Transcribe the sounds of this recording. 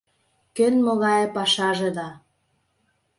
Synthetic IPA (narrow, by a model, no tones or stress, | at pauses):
kønmɤɣɑjepɑʃɑʒĕd̪ɑ